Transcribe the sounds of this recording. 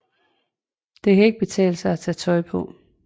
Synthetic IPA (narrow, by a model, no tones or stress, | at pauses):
d̥e̝kʰæe̝ɡ̥̚b̥e̝t͡sʰɛ̰ːlsɑ̈ɪæt͡sʰɛːt͡sʰɒ̽ɪpʰɒ̽